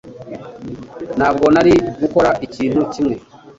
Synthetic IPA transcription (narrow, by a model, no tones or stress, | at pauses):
nab̚ɡonaɾiɡukoɾaʔiciːn̥ucimwe